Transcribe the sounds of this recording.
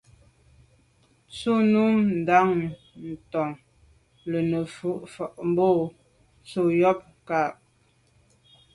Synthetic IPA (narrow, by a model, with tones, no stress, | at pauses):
t͡so˦˨nu˦mn̩˨da˨˦ŋ | n̩˨tɔ˨ŋ | lə˨nə˨fu˦ʔfɔ˨ʔm˦bo˦˨ | t͡so˦jɔ˦p̚ | ka˨p̚